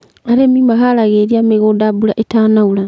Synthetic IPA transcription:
aɾemimaɦaɾaɣeɾiameɣoːdabuɾaʔetaːnauɾa

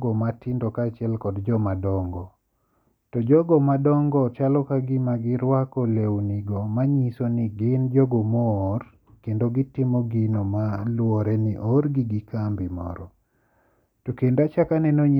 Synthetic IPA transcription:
ɡɔmatɪndokaːt͡ʃɪɛlkɔdd͡ʒɔmadɔŋɡɔ | tɔd͡ʒɔɡɔmadɔŋɡɔt͡ʃalɔkaɡɪmaɡɪɾwakɔlewniɡomaɲisoniɡɪnd͡ʒɔɡomɔːr | kendoɡɪtɪmɔɡinomalwɔɾɛniʔɔɾɡiɡikambimɔ̰ɾɔ | tɔkendat͡ʃakanɛnoɲ

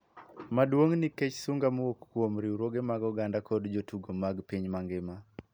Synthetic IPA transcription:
madwoŋniket͡ʃsuŋɡamwokːwomɾiuɾoɡemaɡɔɡandakɔdd͡ʒotuɡomaɡpiɲmaŋɡɪma

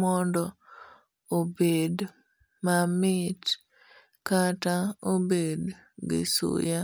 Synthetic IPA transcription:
ɔndɔ | obed | mamɪt | kataobed | ɡɪ̰sṵja

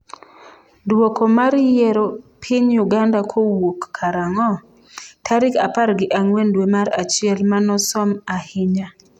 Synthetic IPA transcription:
dwokomaɾjɛɾopʰɪɲjʊɡandakʰowokːaɾaŋɔ | tʰaɾɪkapaɾɡɪʔaŋwendwemaɾat͡ʃɪɛlmanɔsɔmahɪɲa

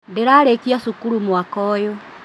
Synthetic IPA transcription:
ndeɾaːɾekiasukuɾumwakɔːjo

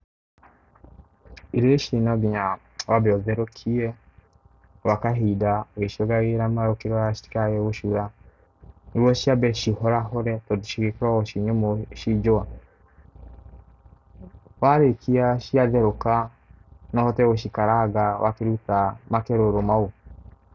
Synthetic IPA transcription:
iɾeʃinaɡiɲa | wabɛɔðɛɾokʰiɛ | wakaɦidaɣeʃoɡaɣeɾamaɾokiɾoaʃi̥ti̥kaɣeβoʃuɾa | niɾwɔʃiabɛʃihɔɾaɦoɾɛtɔduʃiɣekuɾaɣoʃiɲomoʃid͡ʒoa | waɾekʰiaʃiaðɛɾoka | nɔhɔtɛɣoʃikaɾaɡawakeɾutamakeɾoɾomau

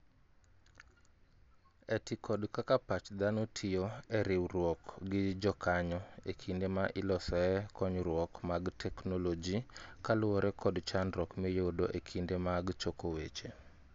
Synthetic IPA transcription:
ɛtikʰɔdkakapat͡ʃd̪anotʰɪjoɛɾɪwrwɔkɡɪd͡ʒɔkʰaɲɔekʰindemaʔɪlɔsɔɛkɔɲɾwɔkmaɡtʰɛknolod͡ʒikalʊwɔɾɛkʰɔdt͡ʃanɾɔkmɛjodoʔekʰindemaɡt͡ʃokowet͡ʃe

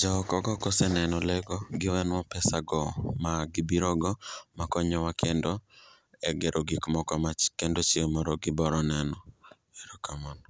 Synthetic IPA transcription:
d͡ʒaɔkɔɡɔkɔsɛnɛnɔlɛɡɔɡɪwɛnwɔpɛsaɡɔmaɡɪbiɾɔɡɔmakɔɲɔwakʰendɔ | ɛɡeɾʔoɡikmɔkɔmakendot͡ʃiemɔɾɔɡɪbɔɾɔnɛnɔ | ɛɾɔkamɔnɔ

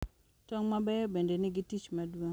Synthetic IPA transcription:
tɔŋmabɛjɔbendeniɡitit͡ʃmadwoŋ

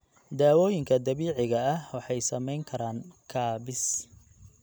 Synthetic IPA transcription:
d̪aːwɔːjɪŋkʰɐd̪ɐβiːʕɪɣɐɐhwɑħɑjsɐmɛjŋkʰɐɾaːŋkʰaːβɪs

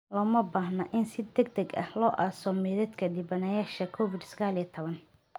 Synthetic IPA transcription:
lɔːmɐbaːɦnɐʔɪnsɪd̪ɐɡ̚d̪ɐɡɐ̰hlɔːʔaːsɔmɛːðɐd̪kʰɐd̪ibɐnɐjaːʃɐkʰɔfɪd̪sɐɣaːlijɐt̪ʰɔβɐn

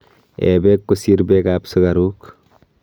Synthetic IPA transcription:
ḛbekːusiɾbekapsəɡaɾuk

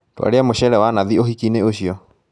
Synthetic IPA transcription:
twa̰ɾeamoɕɛɾɛwanaðioɦikineoɕiɔ

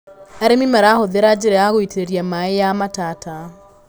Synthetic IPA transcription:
ɛɾemimɛɾahoðeɾad͡ʑeɾeaɣoiteɾeɾjamaejamatata

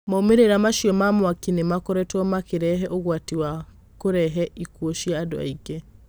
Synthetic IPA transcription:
maomeɾeɾamaʃiɔmamoakinemakɔɾɛtɔmakeɾɛɦɛʔoɣwatiwa | koɾɛɦɛikwoʃiaːdo̰a̰iɡe

